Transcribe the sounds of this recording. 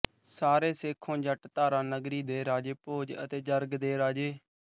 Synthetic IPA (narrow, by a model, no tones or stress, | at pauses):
saːɾeːsɪkʰːõːd͡ʒəʈt̪aːɾãːnəɡɾiːd̪eːɾaːd͡ʒeːpoːd͡ʒə̰t̪eːd͡ʒəɾɡd̪eːɾaːd͡ʒeː